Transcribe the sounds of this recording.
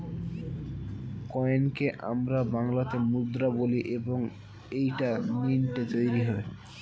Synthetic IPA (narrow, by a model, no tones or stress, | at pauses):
kɔenkeʔa̰mɾabaŋlat̪emud̪ɾaboliʔeboŋ | ejʈaninʈet̪ojɾiɦɔe